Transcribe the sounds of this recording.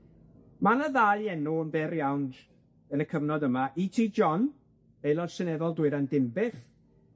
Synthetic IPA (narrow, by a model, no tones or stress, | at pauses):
manəðajɛnuənvɛrjawn | ənəkʰəvnɔdəmaʔitʰiːd͡ʒɔn | ejlˠɔd̥sənɛðɔlˠdwɨɾandɪmbɪχ